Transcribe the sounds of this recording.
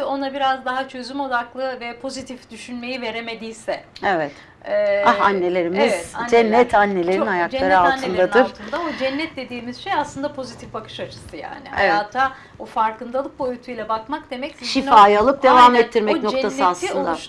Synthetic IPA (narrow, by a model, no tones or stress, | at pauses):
o̞nabiɾazd̪aɦat͡ʃʰø̞zymo̞d̪aklˠɯvɛpʰo̞zit̪ʰifd̪̥yʃynme̞jive̞ɾe̞me̞d̪iːjsɛevɛt̪ː | aanːe̞lʲe̞ɾimizd͡ʒɛnːɛt̪ʰanːe̞lʲeɾinajaklˠaɾɯalnʰɯnd̪aɯɾˠʰɯnd̪aod͡ʒɛnːɛt̪̚d̪e̞d̪iːmiz̥ʃejaslˠɯnd̪apʰo̞zit̪ʰifbakʰɯ̥ʃat͡ʃʰɯ̥sɯja̰ːnɪ̰a̰jat̪ʰa | ofaɾkɯnd̪alˠɯk̚bo̞jut̪ʰujlʲɛbakmakd̪e̞mɛcsiʃifaːjalˠɯk̚d̪e̞vamɛtt̪ʰːiɾmɛno̞kt̪ʰasɯaslˠɯnd̪a